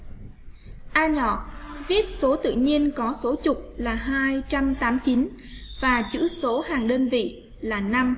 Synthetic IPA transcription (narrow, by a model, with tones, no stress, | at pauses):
ʔaː˧ɲɔ̰˧˩˨vi˦˥ət̚so˨˦t̪ɨ̰˧˨ɲi˧ənkɔ˨˦so˨˦t͡ɕʊ˨˩k͡p̚laː˨˩ɦaː˧jt͡ɕa˧mt̪aː˨˦mt͡ɕi˨˦n | vaː˨˩t͡ɕɨ̰˧˥so˨˦haː˨˩ŋɗəː˧nvḭ˧˨ | laː˨˩na˧m